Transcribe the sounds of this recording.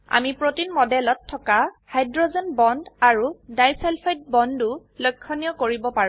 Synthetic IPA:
a̰mipɹotinmɔdɛlɔtʰːɔkahajdɹozɔnbɔndaɹudajsɛlpʰajt̚bɔndu | lojkʰːɔnijɔkoɹibɔpaɹ

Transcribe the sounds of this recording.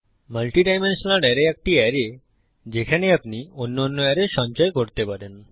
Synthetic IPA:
malʈiɖajmenʃonaɖɛɾeɛk̚ʈiɛɾe | d͡ʑekʰaneapnionːonːoɛɾeɾʃɔnt͡ɕaekoɾt̪epaɾen

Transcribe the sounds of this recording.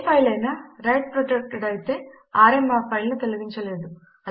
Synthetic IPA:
pʰɐjlɐjnɐɾɐjʈ̚pɾoʈek̚ʈɽɐjt̪e̞ː | aːɾemaːpʰɐjlnut̪eluɡiɲt͡ʃɐle̞ːd̪u | ɐ

